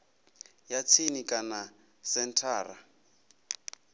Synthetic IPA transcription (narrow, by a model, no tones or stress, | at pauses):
jat͡sʰinikʼana | sɛntʰaːra̰